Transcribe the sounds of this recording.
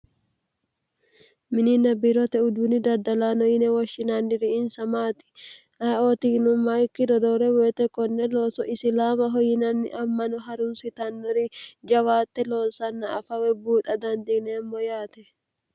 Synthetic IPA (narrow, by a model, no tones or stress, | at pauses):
mɪnɪnɐbiɾɔt̪ɛʊd̪unɪd̪ɐd̪ɐlaːnɔjɪnɛwɐʃːɪnanːɪɾɪɪnsɐmaːt̪ɪ̥ | ʔɐoːt̪inʊmːaɪkːɪd̪ɔd̪ɔɾɛwɛːt̪ɛkɔnːɛlo̞ːsɔʔɪsɪlaːmɐɦɔjɪnɐnːɪ̰ʔɐmːɐnɔɦɐɾʊnsɪt̪ɐnːɔɾid͡ʒɐwaːt̪ːɛlo̞ːnsɐnːɐːfɐwɛbuːt̪ɐd̪ɐnd̪inɛmːɔjaːt̪ɛ